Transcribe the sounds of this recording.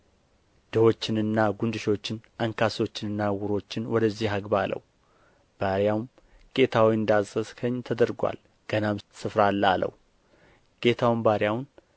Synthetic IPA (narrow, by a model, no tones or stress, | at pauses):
d̪̥əho̞t͡ʃːɪnɨnːaɡund̪ɨʃo̞t͡ʃːɪnʔaŋkʰaso̞t͡ʃːɪnɨnːawʊɾo̞t͡ʃːɪnwɔd̪əzːiɦaɡbalə̰w | b̥aɾjawm | kʼe̞t̪ʰawiɨnd̪azʼəskʰəɲːt̪ʰəd̪əɾɡʷa̰l | ɡ̥ənamsɨfɾalːalə̰w | kʼe̞t̪ʰawmbaɾjawn